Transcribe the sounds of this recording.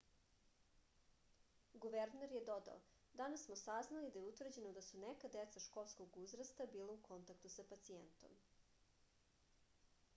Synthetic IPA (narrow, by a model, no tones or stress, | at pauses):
ɡuʋeɾneɾjed̪o̞d̪a̰o | d̪anassmo̞saznalid̪ajeut̪ʋr̩d͡ʑe̞nod̪asunekad̪et̪saʃko̞lˠskoɡuzɾast̪abiːlaukʰo̞nt̪akt̪usapat̪siḛnt̪o̞̰m